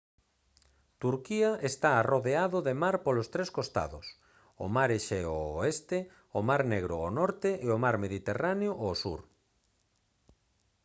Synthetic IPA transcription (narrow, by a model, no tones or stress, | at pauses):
t̪uɾkiaʔest̪aːroðeaðʊðemaɾpolost̪ɾeskost̪a̰ðʊs | o̰maɾeʃɛoːest̪e | omaɾneɣɾʊ̰ːnɔɾt̪eʔeomaɾmeðit̪eraneoʔosṵɾ